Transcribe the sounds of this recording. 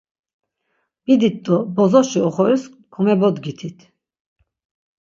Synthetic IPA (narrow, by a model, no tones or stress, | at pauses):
b̥id̪it̪̚d̪ɔbɔzɔʃiɔχɔɾis | kʰɔmɛbɔd̪ɡit̪ʰit̪ʰ